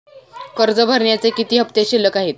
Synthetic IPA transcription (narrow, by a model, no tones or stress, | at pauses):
kəɾd͡zəbʱəɾɳjat͡sekit̪iːɦəpt̪eɕilːəkaɦiːt̪̚